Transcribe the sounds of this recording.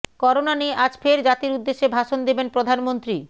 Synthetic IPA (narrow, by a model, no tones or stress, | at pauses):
kɔɾonanieʔad͡ʑfeɾd͡ʑat̪iɾud̪ːeʃːebʱaʃond̪ebenpɾod̪ʱanmont̪ɾi